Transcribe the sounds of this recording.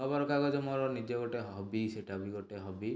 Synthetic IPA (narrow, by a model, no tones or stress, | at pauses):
ɔbaɾɔkaɡɔd͡ʒɔmɔɾɔnid͡ʒɔɡɔʈeɦɦɔbiseʈabiɡɔʈeɦɔbi